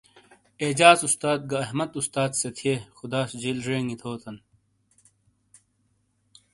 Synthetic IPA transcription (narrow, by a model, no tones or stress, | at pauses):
eːd͡ʑaːzust̪aːd̪̚ɡɐːɦmɐd̪ust̪aːd̪set̪ʰiexud̪aːsd͡ʑilʐeːŋit̪ʰoːt̪ʰɐn